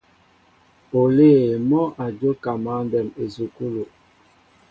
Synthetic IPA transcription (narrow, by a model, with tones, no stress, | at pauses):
o˨le˦˨mɔ˦ʔa˨d͡ʒo˦ka˨ma˦n˦dɛ˨me˨zu˨ku˦lo˨